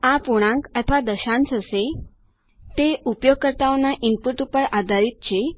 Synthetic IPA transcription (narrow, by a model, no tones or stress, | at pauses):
apoɽ̃ãkət̪ʰəʋad̪əɕãnt͡səse | t̪eupjoɡ̚kəɾt̪aʋnaʔimpuʈupəɭad̪ʱaɾit̪̚t͡ɕe